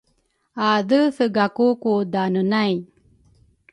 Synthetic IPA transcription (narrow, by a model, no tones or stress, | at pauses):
adəsəɡakukud̪anənaj